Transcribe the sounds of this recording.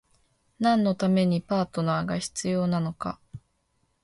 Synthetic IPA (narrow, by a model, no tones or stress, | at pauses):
nãnːo̞t̪ame̞ɲ̟ipaːt̪o̞naːɡaçi̥t͡sɨjo̞ːnano̞ka̰